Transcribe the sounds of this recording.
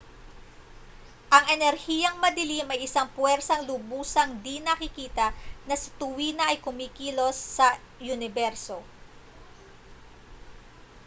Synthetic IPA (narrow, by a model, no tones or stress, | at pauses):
ʔɐŋʔɛnɛɾhiːjɐŋmɐd̪ɪlimɐjʔɪsaŋpwɛɾsɐŋlʊbuːsɐŋd̪inɐkɪkiːt̪ɐnɐsɐt̪ʊwiːnɐʔɐjkʊmiːkiːlo̞sːɐ | jʊnɪbɛɾso̞